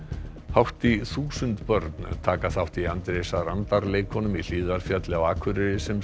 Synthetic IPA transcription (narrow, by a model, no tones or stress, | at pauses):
hawht̪iθuːsʏnt̪pœɾt̪n̰t̪ʰaːkaθawht̪iant̪ɾesaɾant̪aɾleːjkʰɔnʏmil̥iːðaɾ̥fjat̪lɪawaːkʰvʏɾɪɾɪsɛm